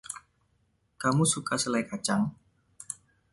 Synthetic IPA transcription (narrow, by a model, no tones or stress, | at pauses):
kamusukasəlajkat͡ʃaŋ